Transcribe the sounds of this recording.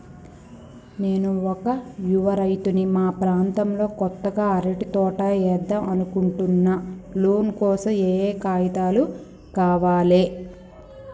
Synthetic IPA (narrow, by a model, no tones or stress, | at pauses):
ne̞ːnuɔkɐjuʋɐɾɐjt̪unimaːpɾaːnt̪ɐmlo̞ːkɔt̪ːɐɡaːɐɾɐʈit̪ɔːʈaːɛːd̪ːɐʔɐnukuɳʈunːaloːnkɔːsɐmeːkaːjɐt̪aːlu | kaːʋaːleː